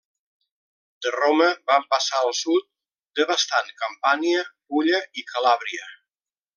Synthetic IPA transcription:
d̪̥əroməbampəsaəlˠsut̪̚ | d̪əβəst̪ankəmpaniə | uʎəikʰəlaβɾiə

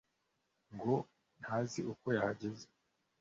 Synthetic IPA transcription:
ŋɡo | nhaziʔuko̞jahaɟeze̥

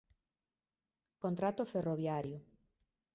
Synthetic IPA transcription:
kõnt̪ɾat̪oferoβjaɾjo

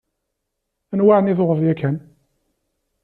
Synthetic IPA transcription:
ænwaʕniθoʁəvjækːæn

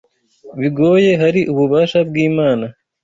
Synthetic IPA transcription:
βiɡo̞ːje̞ɦaɾiʔuβuβaːʃabɡiːmaːna

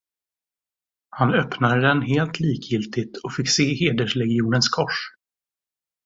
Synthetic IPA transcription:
hanœpnad̪əd̪ɛnɦeːlt̪ʰliːkʰjɪlt̪ɪt̪ʰɔkfɪkːseːheːd̪əʂlɛɡɪuːnənskʰɔʂ

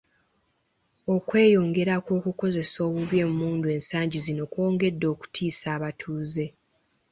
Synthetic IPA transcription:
o̞kwe̞ːjo̞ŋɡe̞ɾakwo̞ːkuko̞ze̞so̞ːβuβje̞ːmumuːndue̞ːnsaːɲɟizino̞kwo̞ːŋɡe̞dːo̞ːku̥tʰiːsaːβatʰuːze̞

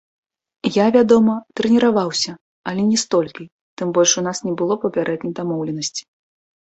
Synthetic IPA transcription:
javʲad̪ɔmɐt̪ɾɛnʲiɾavawsʲɐ | ɐlʲɛnʲɛst̪ɔlʲkʲi | t̪ɨmbɔlʲʂunasnʲɛbɨlˠɔpɐpʲaɾʔɛd̪nʲɐjd̪amɔwlʲɛnɐsʲt͡sʲi̥

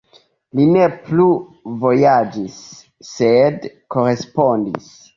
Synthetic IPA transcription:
line̞pluvo̞jad͡ʒisː | edko̞ɾe̞spo̞ndḭs

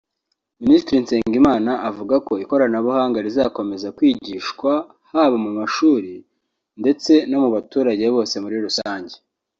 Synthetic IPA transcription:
ministiɾinse̞ːŋɡimaːnaʔavuɡako̞iko̞ɾanaβuhaːŋɡaɾizako̞me̞zakwiːɟiːʃkwa | haːβamumaʃuːɾi | nde̞t͡se̞no̞muβatuːɾaɟe̞βo̞ːse̞muɾiɾusaːɲɟe̞

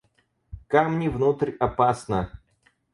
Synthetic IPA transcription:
kamnʲɪvnut̪rʲɐpasnə

